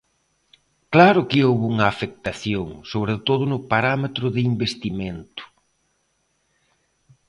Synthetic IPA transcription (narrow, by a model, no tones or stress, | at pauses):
klaɾʊkɪowβuŋɐːfek̚t̪aθjoŋsoβɾet̪oð̞ʊnʊpaɾamet̪ɾʊðɪimbest̪imẽnt̪ʊ̥